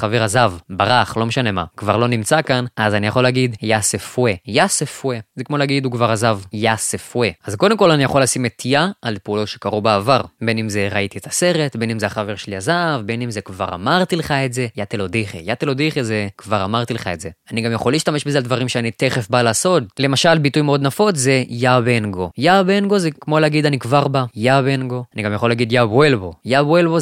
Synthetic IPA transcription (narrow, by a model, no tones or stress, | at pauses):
χaveʁazavbaʁaχlo̞meʃane̞ma̰kvaʁlo̞nimt͡sakanazanijaχo̞lːeaɡidjasefuwejasefwezekmo̞leaɡid̪ukvaʁazavjasefweazkod̪emko̞lanijaχo̞lːasimet̪ʰiaːlpeulo̞tʃe̞kaʁubeːvaʁbe̞nimzeʁait̪ietʰaseʁetbe̞nimzeaχaveʁʃeliazavbe̞nimzekva̰ʁa̰maʁt̪ileχaetze̞jat̪elodiχḛjat̪elodiχezekvaʁamaʁt̪ileχa̰etze̞aniɡamjaχo̞liːʃt̪ameʃbezealdvaʁimʃeanite̞χefbalaːso̞t̚le̞maʃalbitujmeo̞d̪nafo̞tzejabenɡo̞jabenɡo̞zekmo̞leaɡid̪anikvaʁbajabenɡo̞aniɡamjaχo̞lːaɡid̪jabwelbojabwelbo